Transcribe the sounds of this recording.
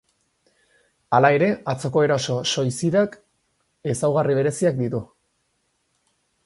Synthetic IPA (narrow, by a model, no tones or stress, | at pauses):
alae̞ɾe̞at͡so̞ko̞e̞ɾaso̞so̞jsiðak | e̞sawɣariβ̞e̞ɾe̞siak̚d̪it̪u